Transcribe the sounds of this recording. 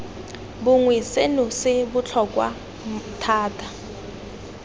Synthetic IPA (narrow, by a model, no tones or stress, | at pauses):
bʊŋwisenusɪbʊt͡ɬʰɔkʼwa̰ | tʰaːtʰʼa